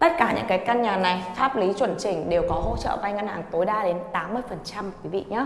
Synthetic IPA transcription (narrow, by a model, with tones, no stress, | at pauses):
t̪ə˦˥t̚kaː˧˩ɲɨ̰˧˥ŋkaː˨˦jkaː˧nɲaː˨˩na˨˩jfaː˦˥p̚li˨˦t͡ɕwə˧˩nt͡ɕï˧˨˩ŋ̟ɗe˨˩wkɔ˨˦ɦo̰˧˥t͡ɕə̰ː˧˨va˧jŋə˧nhaː˨˩ŋt̪o˨˦jɗaː˧ɗe˨˦nt̪aː˨˦mːɨ˧əjfə˨˩nt͡ɕa˧m̚˨˩kwi˨˦vḭ˧˨ɲə˨˦˥